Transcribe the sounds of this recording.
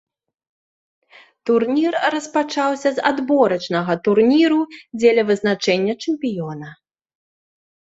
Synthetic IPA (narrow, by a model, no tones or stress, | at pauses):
t̪urnʲirrɐspat͡ʂawsʲɐza̰d̪bɔɾɐt͡ʂnɐɣɐt̪urnʲiɾud͡zʲɛlʲɐvɨznat͡ʂɛnʲːɐt͡ʂɛmpʲijɔnɐ